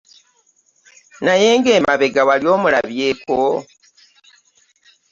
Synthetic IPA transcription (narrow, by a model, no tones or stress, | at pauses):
najeːŋɡe̞ːmaβe̞ɡawaljo̞ːmula̰βje̞ko